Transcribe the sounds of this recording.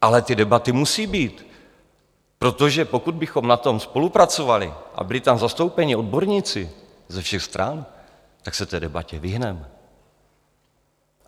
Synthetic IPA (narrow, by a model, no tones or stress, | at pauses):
ʔalɛt̪ɪdɛbat̪ɪmusiːbiːt̪ | pɾo̞t̪o̞ʒɛpo̞kud̪̚bɪxo̞mnat̪o̞mspo̞lupɾat͡so̞valɪ̰ʔa̰bɪlɪt̪amzast̪owpɛɲɪo̞d̪̚bo̞ɾɲit͡sɪ | zɛfʃɛxst̪ɾʔa̰n | t̪aksɛt̪ɛːdɛbacɛvɪɦnɛm